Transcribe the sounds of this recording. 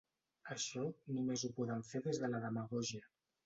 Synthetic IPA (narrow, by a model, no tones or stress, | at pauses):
əʃɔnumezupuðəɱfeðezðələðəməɣɔʒiə